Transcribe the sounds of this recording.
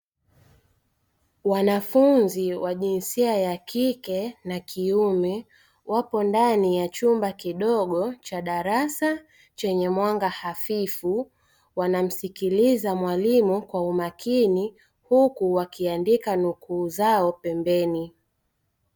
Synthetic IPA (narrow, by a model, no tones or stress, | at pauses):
wanafunziwaʄinsiajakikɛnakʰiumɛ | wapɔndanijat͡ʃumbakiɗɔɠɔt͡ʃaɗaɾasa | t͡ʃɛɲɛmwaŋɡahafifu | wanam̩sikilizamwalimukwaumakini | hukuwakiandikanukuːzaɔpɛmbɛni